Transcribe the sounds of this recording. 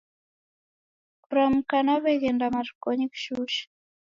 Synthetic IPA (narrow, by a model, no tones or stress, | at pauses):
kɾamkanaβeɣɛndamaɾkoɲikʃuʃ